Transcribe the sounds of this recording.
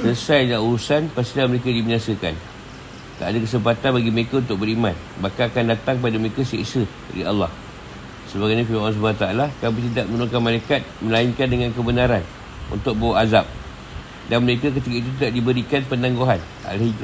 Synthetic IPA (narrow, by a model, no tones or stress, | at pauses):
səəsajlaʔuɾusanpast̪ilahməɾekadibinasəka̰n | t̪a̰ʔadakəs̬əmpat̪anbaɡiməɾekaunt̪ʊk̚bəɾiman | bakaakandat̪aŋp̬adaməɾekassə | rḭʔɑ̰lːɑh | səbaɡajɲafimaans̬ubat̪aalakamit̪̬idaʔmənuɾuŋkanmalaekat̪̚mə̃lainkandəŋãnkəbənaɾan | ṵnt̪ʊk̚bawaʔazap̚ | danməɾekak̬ət̪̬ikait̪̬ut̪̬idaʔdibəɾikanpənãŋɡoɦan | a̰lɦi